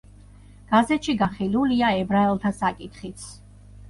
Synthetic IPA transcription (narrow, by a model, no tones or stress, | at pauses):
ɡ̥azɛt̪ʃiɡaχiluliaɛbɾaɛlˠt̪ʰasakʼit̪χit̪sʰ